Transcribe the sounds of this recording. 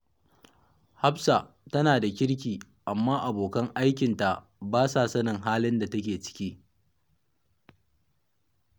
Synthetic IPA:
ha˦psa˨ | tɐ˦naː˨da˨kʲɪ˦ɽkʲiː˨ | ʔa˨mːaː˦ʔa˨boː˨kɐ˦ŋʔa˦jkʲɪ˨nta˨ʔ | baː˦saː˨sɐ˦nɪ˨ŋɦaː˦lɪ˦nda˨tɐ˦kʲeː˨t͡ʃɪ̥˦kʲiː˦

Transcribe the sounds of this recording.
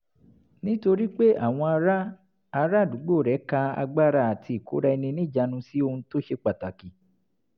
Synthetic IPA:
nĩ˦to˧ɾi˦k͡pe˦ʔa̰˦˨w̃ɔ̃˧a˧ɾa˦ | a˧ɾa˦˨du˨˦ɡ͡bo˦˨ɾɛ˨˦ka˧a̰˧ɡ͡ba˦ɾa˧˨a˨tʰi˧i˨ko̰˨˦ɾa˦˧i˧nĩ˧nĩ˦˨d͡ʒa˧nũ˧si˦o˧hũ˧to˦ʃe˦k͡pa˨ta˨ki˨˦

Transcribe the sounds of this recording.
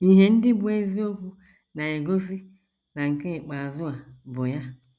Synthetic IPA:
i˦ɦe˨n̩˦dɪ˦bʊ˨e˦zi˦o˦kʷu˦ | na˨e˨ɡo˦s̬i˦ | na˨ŋ̩˨ke˦ɪ˨k͡pa˨zʊ˦a˨bʊ˨ja˦

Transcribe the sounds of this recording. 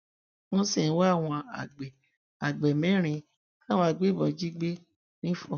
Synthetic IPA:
wɔ̃˧sĩ˦˨˦wa˦a˦˨w̃ɔ̃˧a̰˨ɡ͡bɛ˨ | a˨ɡ͡bɛ˨mɛ̃˨˦ɾ̃ĩ˧ | a˦˨wɔ̃˧a˧ɡ͡be˦˨bɔ̃˨˦d͡ʒi˦ɡ͡be˦ | nĩ˦fɔ̃˦˨

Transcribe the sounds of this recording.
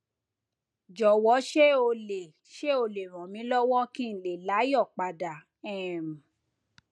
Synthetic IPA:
d͡ʒɔ˨wɔ˨˦ʃe˦o˧le˨ | ʃe˦o˧le˨ɾ̃ɔ̃˨mĩ˨˦lɔ˦wɔ̃˦kĩ˦n̩˨le˨la˨˦jɔ˦˨k͡pa˨da˨ | ɛ̃˦˨m˨

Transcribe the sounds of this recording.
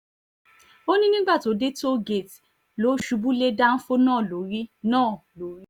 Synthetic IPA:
o˦nĩ˦nĩ˦ɡ͡ba˦˨to˨˦de˦to˦ɡe˨t | lo˨˦ʃu˨˧bu˦le˦da˦n̩˦fo˦nãː˦˨lo˨ɾi˦nãː˦˨lo˨˦ɾi˦

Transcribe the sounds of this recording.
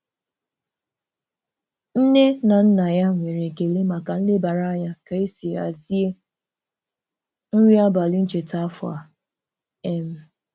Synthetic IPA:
n̩˦ne˦na˨n̩˦na˨ja˦ŋʷe˨ɾe˨ke˨le˦ma˨ka˨n̩˦le˦ba˨ɾa˦ɲa˦ka˨e˦si˨a̰˨zi˦e˦ | n̩˦ɾi˦a˦ba˨li˦n̩˦t͡ʃe˨ta˦fʊ˨a̰˨ | e˦m̩˦

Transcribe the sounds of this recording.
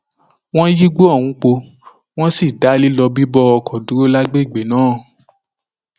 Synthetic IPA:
w̃ɔ̃˦ji˦ɡ͡bo˦ɔ˦˨wũ˨˦k͡po˧ | w̃ɔ̃˦si˦˨da˨˦li˦lɔ˧bi˦bɔ˦ɔ˧kʰɔ˨du˨˦ɾo˦la˦ɡ͡be˦i˦˨ɡ͡be˨nãː˨˦

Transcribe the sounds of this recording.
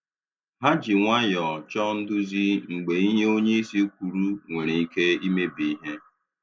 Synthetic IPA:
ɦa˦d͡ʒi˨ŋʷa˦jɔ˨t͡ʃɔ˦n̩˦dʊ˦zi˦ŋ̩˨ɡ͡be˨i˦ɲe˦o˦ɲe˦i˦si˦kʷu˨ɾu˦ŋʷe˨ɾe˨i˦ke˦i˦me˦bi˨i˦ɦe˦

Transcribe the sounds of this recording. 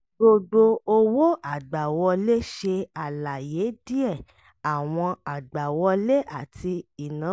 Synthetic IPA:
ɡ͡bo˧ɡ͡bo˧o˧wo˦a˨ɡ͡ba˨wɔ˧le˦ʃe˧a˨la˨je˨˦di˦ɛ˦˨ | a˨w̃ɔ̃˧a˨ɡ͡ba˨wɔ˧le˦a˦˨tʰi˧i˨nãː˨˦

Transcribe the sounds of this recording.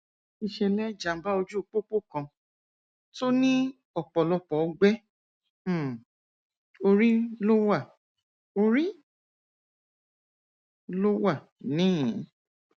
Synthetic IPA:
i˧ʃɛ˧lɛ˦d͡ʒa˨m̩˨˦ba˦o˧d͡ʒu˦o˧k͡po˦k͡po˦kã˧ | to˦nĩ˦ | ɔ˨k͡pɔ˨lɔ˧pɔ˨˧˦ɡ͡bɛ˦˨ | o˧ɾi˦lo˦wa˦˨ | o˧ɾi˦ | lo˦wa˦˨ | nĩː˦˨˦

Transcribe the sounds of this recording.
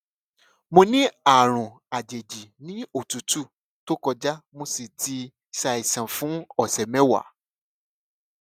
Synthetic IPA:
mõ˧nĩ˦a˨ɾ̃ũ˨ | a˨d͡ʒe˨d͡ʒi˨nĩ˦o˦˨tu˨˦tu˦˨ | to˦kɔ˧d͡ʒa˦mo˧si˨ti˧ | ʃa˧i˨sã˨fũ˨˦ɔ˨sɛ˨mɛ̃˨˦wa̰˨˦

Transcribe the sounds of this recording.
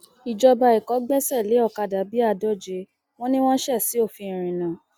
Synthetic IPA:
i˨d͡ʒɔ˧ba˧i˨kɔ˨˦ɡ͡bɛ˦sɛ˦˨le˨˦ɔ˦˨ka˧˨da˨˦bi˦a˦˨dɔ˦˨d͡ʒe˧˦ | w̃ɔ̃˦nĩ˦w̃ɔ̃˦ʃɛ˦˨si˨˦o˦˨fi˧ĩ˨ɾ̃ĩ˨nã˨˦

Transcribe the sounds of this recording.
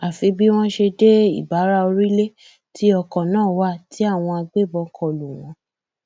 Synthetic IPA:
a˨fi˧˦bi˦w̃ɔ̃˦ʃe˧de˦ḭ˦˨ba˨˦ɾa˦o˧ɾi˦le˦ | ti˨˦ɔ˧kɔ̃˨nãː˦˨wa˦˨ti˨˦a˦˨w̃ɔ̃˧a˧ɡ͡be˦˨bɔ˧kʰɔ˨lu˨w̃ɔ̃˨˦

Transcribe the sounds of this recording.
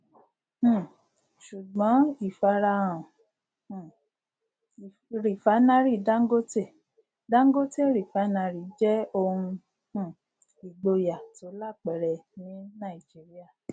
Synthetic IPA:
ʃu˨ɡ͡bɔ̃˨˦i˦˨fa˧ɾa˧ɔ̃˨ | ɾi˨fa˨˦nã˦ɾi˦˨˦da˦ŋ̩˦ɡo˦te˦˨ | dã˦ŋ̩˦ɡo˦te˦˨ɾi˨fa˨˦na˧ɾi˨˦d͡ʒɛ˦o˧hũ˧ | h̩˨ | i˨ɡ͡bo˧ja˨to˨˦la˦˨k͡pɛ˨ɾɛ˨nĩ˨˦nã˦˨i˨d͡ʒi˨˦ɾi˦a˦˨

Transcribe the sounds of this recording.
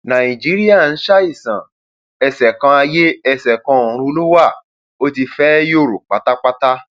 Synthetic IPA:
nã˨ĩ˨d͡ʒi˨˦ɾi˦ja˦˨n̩˦ʃa˦i˦˨sã̰˨ | ɛ˧˨sɛ˨kã˧a˧je˦ɛ˦˨sɛ˨kã˧o˨ɾ̃ũ˧o˧lu˦wa˦˨ | o˦ti˧fɛ˦jo˦˨ɾo̰˨k͡pa˨˦ta˦k͡pa˦ta˦

